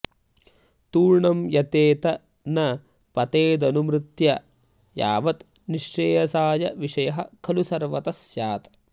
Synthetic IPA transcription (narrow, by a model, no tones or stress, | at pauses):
t̪uːɾɳɐmjɐt̪eːt̪ɐ | nɐ | pɐt̪eːd̪ɐnumɾɪt̪jɐ | ja̰ːʋɐt̪ | niʂt͡ʃeːjɐsaːjɐʋiʂɐjɐɦɐ̰kʰɐlusɐɾʋɐt̪ɐsjaːt̪ɐ